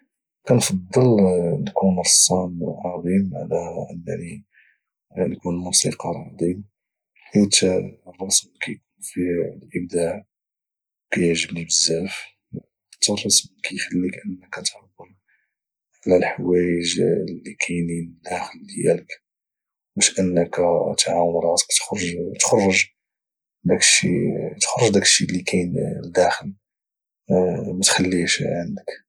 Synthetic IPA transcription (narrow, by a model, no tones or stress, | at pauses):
kænfɑd̪ˤːəlnkunɾsˤːɑn̰lʕɑd̪ˤimʕa̰læʔənːæ̰ni | nkunmusiqɑɾˤɑd̪ˤim | ħit̪rˤːɑsmkæjkunfilʔəb̚d̪aʕ | kæjəʕʒəbnibəzːæf | t̪ːɑrˤːɑsmkæjxəlːikʔənːækæt̪ħawːəl | ʕlælħwæjəʒlːikʰæjnid̪æxəlːjæ̰lək | wæʃʔənːəkæt̪ʕawənɾˤɑt̪kt̪xɾˤʒt̪xɑrˤːəʒ | d̪ækə̥ʃḭt̪xrˤːəʒd̪ækə̥ʃːilːikʰæjnd̪æxəl | mæt̪xælːiʃʕənd̪ək